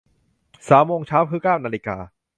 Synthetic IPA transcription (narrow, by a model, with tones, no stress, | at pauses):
saː˩˦mːoː˧ŋt͡ɕʰaː˦˥wkʰɯː˦˥˩kaː˥˩wnaː˧liː˧˥ka̰ː˧